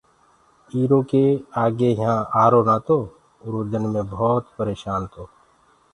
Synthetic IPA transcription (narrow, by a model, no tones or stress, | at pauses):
iːɾokeaːɡejəɦãaːɾonat̪ʰoː | ʊɾuːd͡ʒ̪ənmẽbɔːt̪pəɾeːʃaːnt̪ʰoː